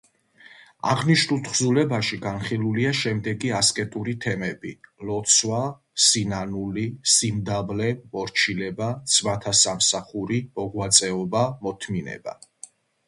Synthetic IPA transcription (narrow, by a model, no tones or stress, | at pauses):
a̰ʁniʃnulˠt̪ʰχzulɛbaʃiɡanχilˠuliaʃɛmd̪ɛɡiaskʼɛt̪ʼuɾit̪ʰɛmɛbilɔt̪sʰwa | sinanulisimd̪avlɛmɔɾt͡ʃʰilɛbat̪sʰmat̪ʰasamsaχuɾimɔɡwat̪sʼɛɔbamɔt̪ʰminɛ̰ba̰